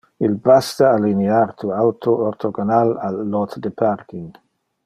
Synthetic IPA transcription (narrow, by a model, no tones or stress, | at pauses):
ilbast̪aalineaɾt̪ʰuawt̪ʰooɾt̪ʰoɡonalalːɔt̪d̪epʰaɾkiŋ